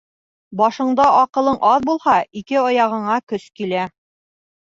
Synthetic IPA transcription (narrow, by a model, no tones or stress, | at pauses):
bɒʃɤ̆ɴd̪ɑʔɑqɤ̆lˠɤɴʔɑðbulˠhɑikɘɑjɑʁɤ̆ɴɑkɵskilæ